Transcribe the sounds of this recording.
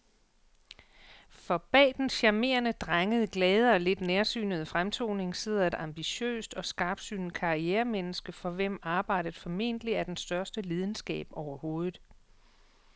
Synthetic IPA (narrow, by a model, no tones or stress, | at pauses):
fɒ̽b̥ɛ̰ːd̥enɕɑ̈me̝̰ːɐnəd̥ʁaŋəð̞ˠɡ̥lɛːð̞ˠɐɒle̝d̥neɐsy̰ːnəð̞̩ˠfʁamt͡sʰo̝̰ːne̝ŋseð̰ˠɐe̝d̥ɑ̈mb̥iɕø̰ːsd̥ɒ̽sɡ̥ɑ̈ːb̥d̥sy̰ːnkʰɑ̈ʁieːɐmenəsɡ̥əfɒ̽ʋem̰ɑ̈ːb̥ɑ̈ɪ̰d̥əð̩ˠfɒ̽me̝̰n̰d̥əliæɐd̥ensd̥ɶɐsd̥əliːð̞ˠn̩sɡ̥ɛ̰ːb̥ɒʊɐho̝ːð̩ˠ